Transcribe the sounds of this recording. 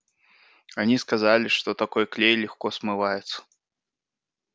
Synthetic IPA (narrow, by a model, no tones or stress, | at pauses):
anʲiskazalʲiʂt̪ɔt̪akɔjklʲejlʲixkɔsmɨvajɛt̪sːɐ̥